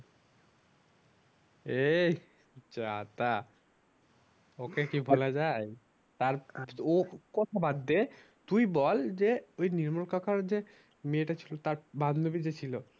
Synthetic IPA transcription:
ej | t͡ɕaat̪a | okekibʱɔlad͡ʑaj | t̪aɾokɔt̪ʰabad̪ːe | t̪ujbɔld͡ʑeojniɾmalkakʰaɾd͡ʑe | meeʈat͡ɕʰilot̪aɾband̪ubid͡ʑet͡ɕʰilo

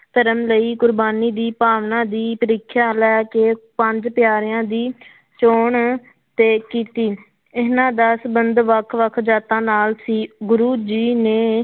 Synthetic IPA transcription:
t̪əɾəmləiːkʊɾbaːniːd̪iːpaːʋnãːd̪iːpəɾiːkʰjaːlɛkeːpəɲd͡ʒpɪjaːɾɪjãːd̪iː | t͡ʃoːɳ | t̪eːkiːt̪iː | ɪnãːd̪əːsəbənd̪ʋəkʰʋəkʰd͡ʒaːt̪ãːnaːlsiːɡʊɾuːd͡ʒiːneː

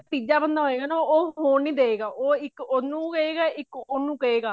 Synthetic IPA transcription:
piːd͡ʒaːbənd̪aːɦoːeːɡaːnaoːɦoːnĩːd̪eːeːɡaːʔoːɪkonũːkəeːɡaːʔɪkonũːkəeːɡaː

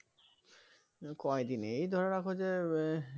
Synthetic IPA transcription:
kɔed̪ineejd̪ʱɔɾaɾakʰod͡ʑe

